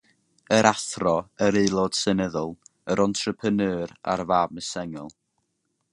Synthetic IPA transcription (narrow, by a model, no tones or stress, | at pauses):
əɾʔaθrɔəɾeːlˠɔd̥sɛnəðʊlˠəɾʔɔntʰrəpʰənɨːɾa̰rvaːb̚məsɛŋɔlˠ